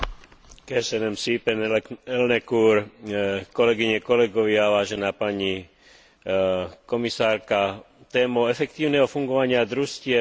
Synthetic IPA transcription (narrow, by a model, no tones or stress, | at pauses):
kɛsɛnɛmsiːpɛnɛlnɛkuɾ | kɔlɛɡiɲɛkɔlɛɡɔʋɪaʋaːʒɛnaːpaɲi | kɔmisaːɾka | t̪ɛːmɔɛfɛkt̪iːʊnɛɦɔfuŋɡɔʋaɲɪad̪ɾuscɪɛ